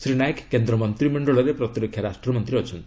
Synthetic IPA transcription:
sɾinajkkːend̪ɾɔmʌnt̪ɾimeɳɖɔɭʌɾepɾʌt̪iɾokʰjaɾasʈrʌmʌnt̪ɾiɦʌt͡ʃʰɔnt̪

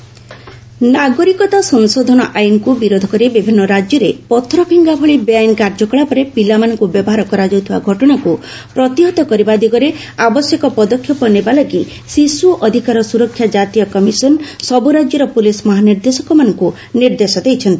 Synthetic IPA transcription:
naɡɔɾikɔt̪asɔŋsod̪ʱɔnɔʔajnɔkubiɾod̪ʱɔkɔɾibibʱinːɔɾad͡ʒjɔɾepɔt̪ʰɾɔpʰiŋɡabʱɔɭibjajnkaɾd͡ʒɔkɔɭapɔɾepilamanɔŋkubjɔbɔɦaɾɔkɔɾad͡ʒɔwt̪ʰibaɡʱɔʈɔɽ̃aku | pɾɔt̪iɦɔt̪ɔkɔɾibad̪iɡɔɾe | abɔsjekɔpɔd̪ɔkʰːjɔpɔnebalaɡi | sisuʔɔd̪ʱikaɾɔsuɾɔkʰːjad͡ʒat̪ijɔkɔmisɔnsɔbuɾad͡ʒjɔɾɔpulismɔɦaniɾd̪esɔkɔmanɔŋku | niɾd̪esɔd̪ejt͡ʃʰɔnt̪i

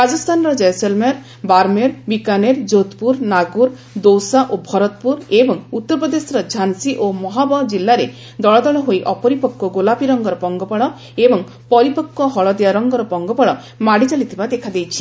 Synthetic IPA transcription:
ɾad͡ʒɔst̪ʰanɔɾɔd͡ʒɔjselmeɾ | baɾmeɾbikaneɾd͡ʒot̪puɾnaɡuɾ | d̪owsaʔobʱɔɾɔt̪̚puɾebɔŋut̪ːɔɾpɔd̪esɔɾɔd͡ʒʱansiʔomɔɦabɔd͡ʒilːaɾe | d̪ɔɭɔd̪ɔɭɔɦojʔɔpɔɾipɔkːɔɡolapiɾɔŋɡɔɾɔpɔŋɡɔpɔɭɔ | ebɔŋ | pɔɾipɔkːɔɦɔɭɔd̪ejaɾɔŋɡɔɾɔpɔŋɡɔpɔɭɔ | maɽit͡ʃalit̪ʰibad̪ekʰad̪ejt͡ʃʰi̥

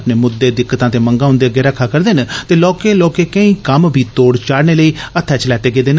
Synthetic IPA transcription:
pneːmʊd̪ːeːd̪ɪkːət̪ãːt̪eːməŋɡãːʊ̃nd̪eːɡeːɾəakʰːaːkəɾd̪eːnt̪eːlɔːkeːloːkeːkə̃ĩːkəmbʱiːt̪oːɽt͡ʃaːɽneːləiːət̪ʰːɛːt͡ʃəlɛːt̪eːɡeːd̪eːn

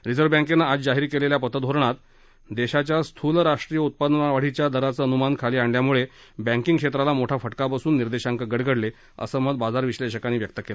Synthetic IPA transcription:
ɾid͡zəɾʋbə̃ŋkenːaad͡zd͡zaɦiɾkeleljapət̪əd̪ʱoɾɳat̪ | d̪eɕat͡ɕjast̪ʰulɾaʂʈɾijəut̪̚pəd̪nəaʋaɽ̤it͡ɕjad̪ʱəɾat͡səːənumankʰaliːaɳljamuɭe | bæ̃ŋkiŋɡkʂet̪ɾalamoʈʰafəʈkapasuːnːiɾd̪eɕãŋkəɡəɽɡəɽle | ə̰səməd̪bad͡zaɾʋiɕleɕəkanːiːʋjək̚t̪əkela

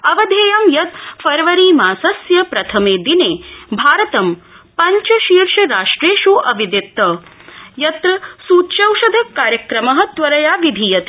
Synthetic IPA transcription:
ɐʋɐd̪ʱeːjɐmjɐt̪fɐɾʋɐɾiːmaːsɐsjɐpɾɐt̪ʰɐmeːd̪ineːbʱaːɾɐt̪ɐm | pɐɲt͡ʃɐʃiːɾʂɐɾaːʂʈɾeːʃuʔɐʋid̪it̪ːɐ | jɐt̪ɾɐsuːtt͡ʃɐwʃɐd̪ʱɐkːaːɾjɐkɾɐmɐɦɐ̆t̪ʋɐɾɐjaːʋid̪ʱijɐt̪e

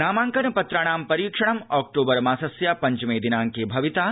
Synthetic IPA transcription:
naːmaːŋkɐnɐpɐt̪ɾaːɳaːmpɐɾiːkʂɐɳ̃ɐmaːk̚ʈoːbɐɾmaːsɐsjaːpɐɲt͡ʃumeːd̪inaːŋkeːbʱɐʋit̪aː

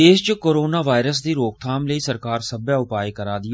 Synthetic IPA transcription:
eːʃt͡ʃəkoːɾoːnaːʋaːɪɾəsd̪iːɾoːk̚t̪ʰaːmləiːsəɾkaːɾsəbjaːʊpaːekəɾaːd̪ɪ

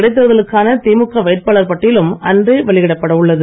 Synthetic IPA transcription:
ɽɐɪt̪ːɯʋɐðɐɭɯkːaːnɐt̪iːmɯkːɐʋeːʈ̚paːɭɐɾpɐʈːɪlɯmɐndrɯʋɐɭɪɣɪɽɐpːɐɽɐɯɭːɐðɯ

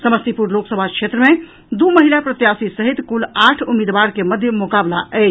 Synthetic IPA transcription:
səməst̪ipuɾloksəbʱakʰʃʰet̪ɾəme | d̪uməɦilapɾət̪jasisəɦit̪kulaʈʰumid̪baɾkeməd̪ʱjəmokablaʔət͡ʃʰ

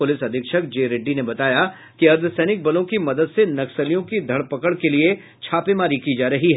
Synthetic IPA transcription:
ʊlɪsɐd̪ʱɪkʃək̚d͡ʒeːɾeɖːinebɐt̪aːja | kiɐɾd̪ʱsɛːnɪk̚bɐlõkimɐd̪əd̪senɐksəlijõkid̪ʱɐɽpɐkəɽkelie | t͡ʃʰaːpemaːɾikid͡ʒaːɾɐɦiɦɛ

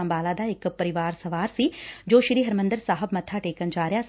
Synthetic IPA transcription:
ɐmbaːlaːd̪aːekpɐɾiʋaːɾsɐʋaːɾsid͡ʒoːʃɾiːɦɐɾmɐnd̪əɾsaːɦəbmɐt̪ʰaːʈeːkɐnd͡ʒaːɾjaːs

